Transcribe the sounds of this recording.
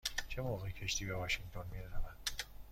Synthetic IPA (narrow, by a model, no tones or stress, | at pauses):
t͡ʃʰe̞moːɣecʰe̞ʃt̪ʰiːbevɒʃiŋt̪ʰonmiɾezævæn̥